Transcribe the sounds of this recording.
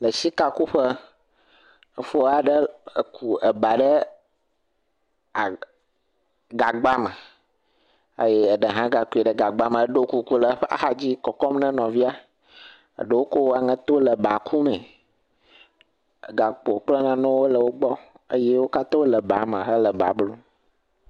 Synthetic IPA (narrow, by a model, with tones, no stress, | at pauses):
lə˨si˦ka˨ku˦ɸə˦ | ə˨fo˦a˨ɖə˦ə̰˨ku˨ə˨ba˨ɖə˦ | a˨ | ɡa˨ɡ͡ba˦mə˨ | ə̰˦je˦ə˨ɖə˨ɦã˦ɡa˨ku˨˦i˨ɖə˦ɡa˨ɡ͡ba˦mə̃˨ə˦ɖo˦ku˦ku˦lə˦ɸa̰˦ha˦d͡ʑi˦kɔ˨kɔ˦mnə̃˦nɔ̃˨vi˦a˦ | ə̰˨ɖə˦wo˦ko˦wa˨ŋə̃˦t̪o˦lə˨ba˨kʰu˦mɛ̃˨ | ɡa˨k͡po˨k͡plə˦nã˦nɔ̃˦wo˦lə˨wo˦ɡ͡bɔ˦ | ə̰˦je˦wo˦ka˦t̪ɔ˦lə˨ba˨mə̃˨ɦə˦lə˨ba̰˨blo˦